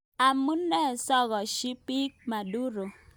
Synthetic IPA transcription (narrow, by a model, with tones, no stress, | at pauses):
a˨mu˦nː˦e˦˨sɔ˦˨ɣɔ˨ʃi˦pi˦k̚ma˨du˦ɾo˨